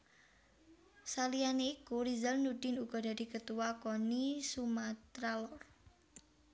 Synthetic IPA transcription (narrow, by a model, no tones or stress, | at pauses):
salianekuɾizəlnudɪnuɡ̥ɔ̤d̥a̤d̥ikət̪uwakonisumat̪ɾalɔr